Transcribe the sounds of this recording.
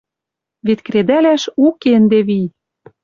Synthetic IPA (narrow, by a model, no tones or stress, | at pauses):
βet̪kɾed̪ælæʃukend̪eβij